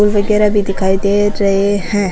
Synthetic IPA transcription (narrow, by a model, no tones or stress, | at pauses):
uːlʋɐɡɛːɾabʱid̪ɪkʰaːid̪eɾɐɦehɛ̃ː